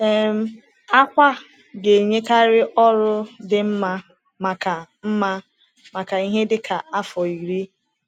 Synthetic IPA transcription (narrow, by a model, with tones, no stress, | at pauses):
e˦m̩˦ | a˦kʷa˦ | ɡe˨ɲe˦ka˦ɾɪ˦ʔɔ˦ɾʊ˦dɪ˨m̩˦ma˦ | ma˨ka˨m̩˦ma˦ | ma˨ka˨i˦ɦe˦dɪ˦kʰa˨ʔa˦fɔ˨i˨ɾi˦